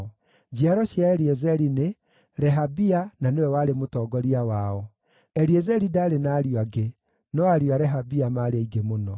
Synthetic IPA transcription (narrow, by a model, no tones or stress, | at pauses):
d͡ʑiaɾɔɕjaɛɾiɛzɛɾine | ɾɛɦabiananewɛwaɾemotɔːɡɔɾiawaɔ | ɛɾiɛzɛɾidaːɾenaːɾioaɡe | nɔaɾiaɾɛɦabiamaɾeaiɡemonɔ